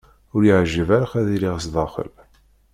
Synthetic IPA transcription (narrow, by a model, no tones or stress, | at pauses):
ʊɾjəʕʒːəvæɾaχæðiliʁsðˤɑχə̰l